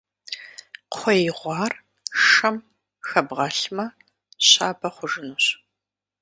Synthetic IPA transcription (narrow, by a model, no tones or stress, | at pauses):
qʰʷɔjɪʁʷɑːr | ɐm | xɐbʁɐɬmɐ | ɕaːbɐχʷʊʒɨnuɕ